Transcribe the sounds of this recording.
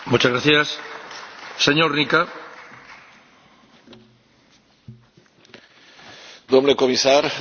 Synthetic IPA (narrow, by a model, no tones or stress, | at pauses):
mut͡ʃazɣɾaθjas | seɲoɾnika | d̪omlekomisaɾ